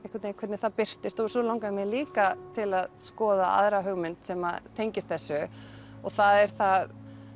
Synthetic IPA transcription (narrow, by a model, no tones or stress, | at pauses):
ehkvat̪nejkʰɛɾt̪nɪθaðpɪr̥t̪ɪst̪owɛɾsɔlawŋkamɛðliːkat̪ʰɪlaðskɔːðaa̰ðɾaɦœɣmɪnt̪sɛma̰ðt̪ʰejɲcɪst̪̚θɛsːʏɔθaðɛɾ̥θað